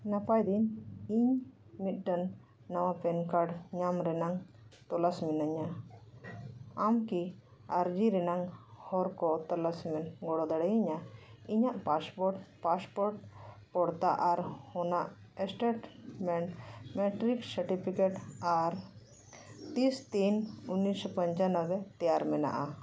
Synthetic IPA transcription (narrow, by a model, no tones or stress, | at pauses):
napajd̪iniɲmit̪̚ˀɖanː | awapɛnkaɾɖɲamɾɛnaŋ | t̪ɔlasmɛnaɲa | amkiaɾd͡ʒiɾɛnaŋhɔɾkɔt̪ɔlasmɛnɡɔɽɔd̪aɽɛjiɲaiɲaʔpaspɔpaspɔɾʈpɔɽt̪aʔaɾhɔnaʔ | sʈeʈmɛɳmɛʈɾiksəɾʈipʰikeʈaɾ | t̪ist̪inunːispəɲt͡ʃanəwɛt̪ɛjaɾmɛna̰ʔa